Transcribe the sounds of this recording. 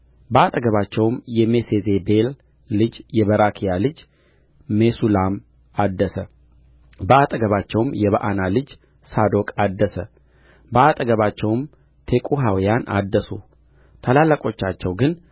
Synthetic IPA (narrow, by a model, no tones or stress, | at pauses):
bəat̪ʼəɡəβat͡ʃːɛwmjɛmesezebe̞lː | ɨd͡ʒjɛβəɾakʰijalɨd͡ʒ | mesulam | ad̪ːəsə | bəat̪ʼəɡəβat͡ʃːɛwmjɛβəʔanalɨd͡ʒ | sad̪o̞kʼad̪ːəsə | bəat̪ʼəɡəβat͡ʃːɛwm | t̪ʰekʼuɦawijanʔa̰d̪ːəsu | t̪ʰəlalːəkʼo̞t͡ʃːat͡ʃːɛwɡɨn